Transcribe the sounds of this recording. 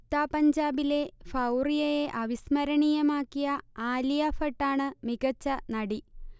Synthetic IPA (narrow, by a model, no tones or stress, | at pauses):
t̪ːaːpɐɲd͡ʑaːbile̞fɐwrijɐjeʔɐʋismɐɾɐɳijɐmaːkːijɐaːlijɐfɐʈːaːɳɨmiɣɐt͡ɕːɐnɐɽi